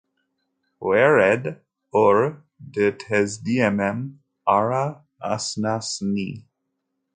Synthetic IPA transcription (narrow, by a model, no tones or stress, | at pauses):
wɛɹɛd | ɔɹ | dətʰɛzdiɛmɛ̃m | aɹa | a̰snasnḭ